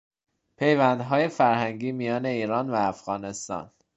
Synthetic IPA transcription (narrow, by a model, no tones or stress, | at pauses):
pʰe̞jvænd̪ɦɒːje̞fæɾhæŋɟiːmijɒːne̞iːɾɒːnvæːfɣɒːne̞st̪ɒ̰ːn